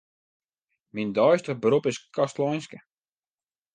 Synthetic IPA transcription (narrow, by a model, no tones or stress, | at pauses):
mindɔjstəχbəɾupɪskʰastlɔjnskə